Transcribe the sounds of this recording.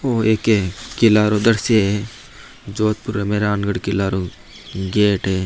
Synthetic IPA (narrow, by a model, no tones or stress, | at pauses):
oːeːkekɪlaːɾod̪ɐɽseɦe | d͡ʒoːt̪̚puɾemeɾaːnɡəɽkɪlaːɾo | ɡeːʈɦeː